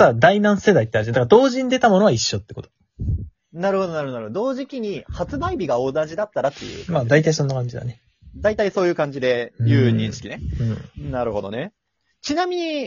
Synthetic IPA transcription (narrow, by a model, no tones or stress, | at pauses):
sad̪ainãɰ̃se̞d̪ait̪ead͡ʑĩd̪akad̪o̞ːʑĩnd̪e̞t̪amo̞no̞βaiɕːo̞t̪ːe̞ko̞t̪o̥ | naɾɯ̟ho̞d̪o̞naɾɯhoaɾɯod̪o̞ːʑikʲiɲ̟ihat͡sɨbaibʲiɡao̞zãd͡ʑid̪at̪ːaɾat̪ːejɯ̰ːmaːd̪ait̪aiso̞nːakãɲ̟d͡ʑid̪a̰ne̞ | d̪ait̪aiso̞ːjɯːkãɲ̟d͡ʑid̪e̞jɯ̟ːɲ̟ĩɰ̃ɕi̥kʲine̞ɯ̟̃ːɴnaɾɯ̟ho̞̰d̪o̞̰ne̞ | t͡ɕinamʲiɲ̟i